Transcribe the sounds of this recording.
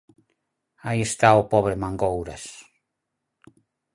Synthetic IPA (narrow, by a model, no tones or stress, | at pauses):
aiest̪aopɔβɾemãŋɡowɾas